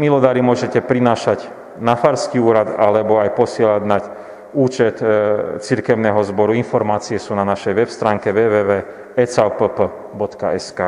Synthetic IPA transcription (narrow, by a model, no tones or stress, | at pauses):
milɔd̪aːɾimʊɔʒɛcɛpɾinaːʃaɟ | nafaɾskiuːɾad̪alɛbɔajpɔsɪɛlaɟnac | uːt͡ʃɛt̪t͡siɾkɛʊnɛːɦɔzbɔɾuinfɔɾmaːt͡siɛsuːnanaʃɛjʋɛpst̪ɾaːŋkɛʋɛːʋɛːʋɛː | ɛt͡saʊpəpə | bɔt̪ka̰ɛskaː